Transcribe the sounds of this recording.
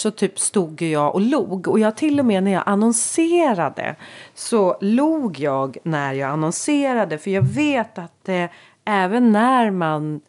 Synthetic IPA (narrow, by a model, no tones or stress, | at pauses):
sɔt̪ʰyːpst̪uːɡjɑːɡʔɔluːɡɔjɑːt̪ʰɪlːɔmeːnæɾjɑ̰ːɡʔanɔnseːɾad̪ə̰sɔluːɡjɑːɡnæɾjɑːɡanɔnseːɾad̪əfœɾjɑːɡveːt̪at̪̚d̪ɛ | ɛːvənːæɾman